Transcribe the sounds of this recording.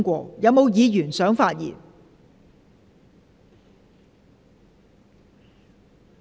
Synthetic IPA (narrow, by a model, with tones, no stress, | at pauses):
ŋkʷɔː˧jɐ˨wmo˨˧wjiː˨˧jyː˨˩nsœː˨˥ŋfaː˧t̚jḭː˨˩n